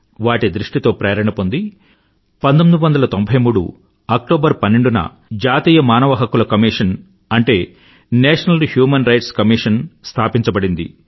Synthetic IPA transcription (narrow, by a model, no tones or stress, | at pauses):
ʋaːʈid̪ɾuʂʈit̪o̞ːpɾɐːɐɾɐɳɐpond̪i | pɐnt̪omid̪uʋɐnd̪ɐlɐt̪o̞mbʱɐjmuːɽṵ | ɐk̚ʈoːbɐɾpɐnːeɳɖunɐ̰ | d͡ʒaːt̪iːjɐmaːnɐʋɐɦɐkulɐkɐmiːʂɐn | ɐɳʈe̞ː | nɛːʂɐnɐlhjuːmɐnɾɐjʈskɐmiʂɐnst̪ʰaːpiɲt͡ʃɐbɐɽind̪ḭ